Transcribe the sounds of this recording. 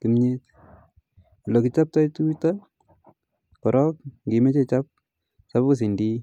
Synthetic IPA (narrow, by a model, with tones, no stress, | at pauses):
kimɲe˦t | lɔ˨ki˦t͡ʃap̚ta˦jtu˦ta | kɔ˨ɾɔk̚ŋɡi˨me˦t͡ʃe˦t͡ʃap̚ | sa˦pku˦s̬i˨ndi˦